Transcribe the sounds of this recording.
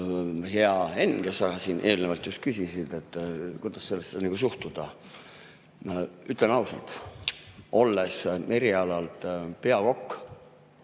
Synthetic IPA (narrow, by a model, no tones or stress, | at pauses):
he̞ɑe̞nɡ̥esɑɡɑsiːnʔe̞ːlnevɑlt̪just̪̚kysisid̪̥e̞t̪ːkujd̪̥ɑsːe̞lːesːed̪ɑniɡ̥usuht̪ud̪̥ɑ | yt̪ˑlenɑwsḛlt̪ | ʔo̞lːesmʔe̞ɾiɑlɑlt̪pe̞ɑko̞kː